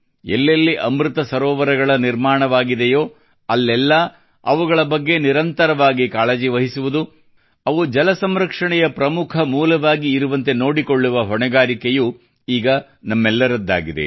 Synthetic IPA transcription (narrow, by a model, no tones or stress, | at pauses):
ɛlːɐlːiʔɐmɾut̪ɐsɐɾɔːʋɐɾɐɡɐɭɐniɾmaːɳɐʋaːɡid̪ejoː | ɐlːɛlːɐ | ɐʋuɡɐɭɐbɐɡːe̞niɾɐnt̪ɐɾɐʋaːɡikaːɭed͡ʒiʋɐɦisuʋud̪u | ɐʋud͡ʒɐlɐsɐmɾɐkʂɐɳɛjɐpɾɐmukʰɐmuːlɐʋaːɡiːɾuʋɐnt̪e̞no̞ːɽikoɭːuʋɐɦɔɳɛɡaːɾikeju | iːɡɐ | nɐmːɛlːɐɾɐd̪ːa̰ːɡid̪ḛ